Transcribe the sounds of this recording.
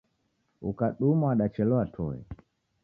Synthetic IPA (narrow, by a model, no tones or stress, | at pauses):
ukaɗumwaɗat͡ʃɛlɔatʰɔɛ̰